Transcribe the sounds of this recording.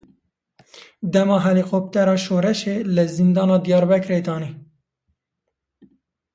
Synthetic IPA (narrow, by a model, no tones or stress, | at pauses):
d̪ɛmɑːɦɛliqoːp̚t̪ɛɾɑːʃoːɾɛʃeːlɨzind̪ɑːnɑːd̪ijɑːɾbɛkɾeːt̪ɑːniː